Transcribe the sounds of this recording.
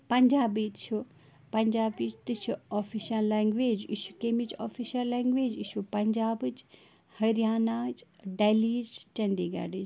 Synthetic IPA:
pɐɲd͡ʒaːbit͡ʃʰu | pɐɲd͡ʒaːbit͡ʃt̪ɨt͡ʃʰuoːfʰiʃɐlːɛ̃ːŋɡʋeːd͡ʒḭʃukemit͡ʃo̰ːfʰiʃɐlːɛ̃ːŋɡʋeːd͡ʒiʃupɐɲd͡ʒaːbt͡ʃ | hɐɾijaːnat͡ʃɖaːliːd͡ʒt͡ʃɐ̃nd̪iːɡa̰ːɖit͡ʃ

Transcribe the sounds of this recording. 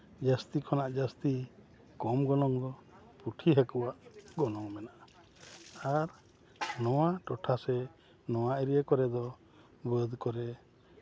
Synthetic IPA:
d͡ʒast̪ikʰɔnaʔd͡ʒast̪i | kɔmɡɔnɔŋd̪ɔ | puʈʰiɦakuwaʔɡɔnɔŋmɛnaʔ | aɾ | nɔwaʈɔʈʰasɛ | nɔw̃aɛɾiekɔɾɛd̪ɔ | bəd̪kɔɾɛ

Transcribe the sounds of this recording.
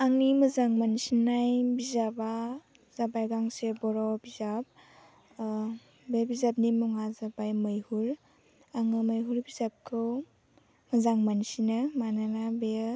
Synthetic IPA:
aŋniməzaŋmansinajbizaba | zabajɡaŋsebɔɾɔbizab̚ | bebizab̚nimuŋazabajmɯjhuɾ | aŋɯmajɦuɾbizap̚kʰɯw | mɐzaŋmansinɯmananabe

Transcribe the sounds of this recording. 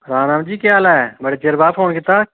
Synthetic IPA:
ɾãːnãːmd͡ʒiːkjaːlaɛməɽeːt͡ʃeɾbaːpʰoːnkɪt̪aː

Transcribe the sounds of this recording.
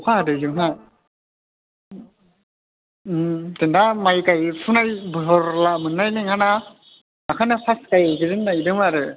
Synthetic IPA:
ɔkʰadɯzɯŋɦa | tendamajkajpʰunajbɯɦɔɾlamɯnːajneŋhana | akʰanɯpʰaskajɯɡɯzɯnːaidɯŋaɾɯ

